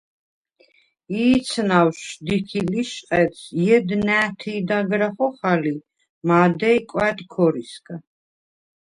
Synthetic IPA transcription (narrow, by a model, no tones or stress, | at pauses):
iːt̪sʰnawʃd̪ikʰiliʃqʼɛt̪sjɛd̪næːt̪ʰiːd̪aɡɾaχɔχali | mad̪ɛikʼwɛt̪ʼkʰɔɾiskʰʼa